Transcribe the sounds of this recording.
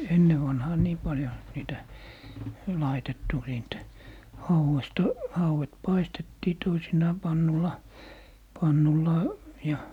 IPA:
enːe ʋɑnhɑː niː pɑljo niːtæ lɑitetːu siːnt hɑuwestɑ hɑuwet pɑistetːiː toisinɑː pɑnːulɑ pɑnːulːɑˑ jɑ

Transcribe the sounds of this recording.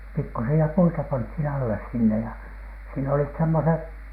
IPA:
pikːusiɑ puitɑ pɑnthin ɑlːes sinːe jɑ siːn olit semːoseh

